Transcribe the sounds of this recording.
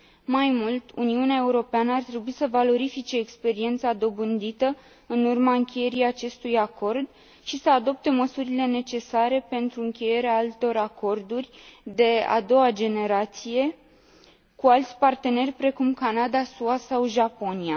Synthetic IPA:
majmult̪uniuneaeuɾo̞peanəart̪ɾe̞buit̪səvalo̞ɾifit͡ʃe̞ːkspe̞ɾie̞nt̪sad̪o̞bɨnd̪it̪ə | ɨnurmaɨŋkʲeje̞ɾiat͡ʃe̞st̪ujako̞rd̪ | ʃisəad̪o̞p̚t̪e̞məsuɾile̞ne̞t͡ʃe̞saɾe̞pe̞nt̪ɾuɨŋkʲe̞je̞ɾeaalt̪o̞ɾako̞rd̪urʲd̪e̞a̰d̪o̞wad͡ʒe̞ne̞ɾat̪sije̞ | kualt̪sʲpart̪e̞ne̞rʲpɾe̞kumkanad̪asuasawʒapo̞nia

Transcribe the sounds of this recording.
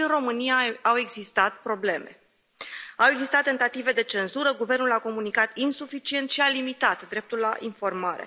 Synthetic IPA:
ɨnro̞mɨniaːwe̞ɡzist̪at̪̚pɾo̞ble̞me̞̰ | aweɡzist̪at̪ːe̞nt̪at̪ive̞d̪e̞t͡ʃe̞nzuɾəɡuve̞rnulako̞munikat̪insufit͡ʃie̞nt̪ʃialimit̪at̪d̪ɾe̞p̚t̪ulːa̰ʔinfo̞rmaɾe̞̰

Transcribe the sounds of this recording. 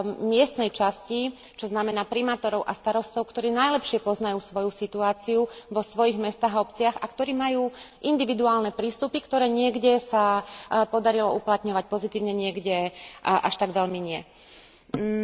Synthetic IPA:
mɪɛst̪nɛjt͡ʃascit͡ʃɔznamɛnaːpɾimaːt̪ɔɾɔʊʔast̪aɾɔst̪ɔʊkt̪ɔɾiːnajlɛpʃɪɛpɔznajuːsʋɔjusit̪uaːt͡siuʋɔsʋɔjiɣmɛst̪aɦaɔpt͡sɪaɣakt̪ɔɾiːmajuːʔind̪iʋid̪uaːlnɛpɾiːst̪upikt̪ɔɾɛːɲɪɛɡɟɛsapɔd̪aɾilɔuplat̪ɲɔʋac̚pɔzit̪iːʊɲɛɲɪɛɡɟɛʔa̰ʃt̪aɡʋɛʎmiɲɪɛ

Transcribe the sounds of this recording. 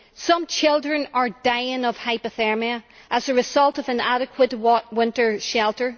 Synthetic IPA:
sʌ̃mt͡ʃʰɪlˠdɹə̃nə˞daɪɪ̃nəv̥haɪpəθɛɹmiə | ʔəzəɹɪzʌlˠtʌvə̃naɾɨkʰwət̚wɔwɪ̃ntə˞ʃɛlˠtə˞

